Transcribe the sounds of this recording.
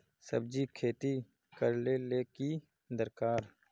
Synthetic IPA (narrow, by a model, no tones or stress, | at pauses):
sə̰b̚d͡ʒikʰeːt̪i | kəɾleleːki | d̪əɾkaːɾ